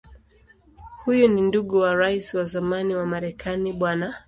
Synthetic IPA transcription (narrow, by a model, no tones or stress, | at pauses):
hujuninduɠuwaɾaisiwazamaniwamaɾɛkʰaniɓwana